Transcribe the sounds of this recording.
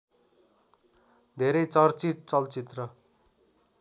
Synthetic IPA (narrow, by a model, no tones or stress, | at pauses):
d̪ʱeɾʌjt͡sʌrt͡siʈ̚t͡sʌlt͡sit̪rʌ